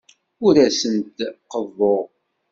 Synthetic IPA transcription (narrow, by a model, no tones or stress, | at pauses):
ʊɾæsənt̪qəðˤːoʁ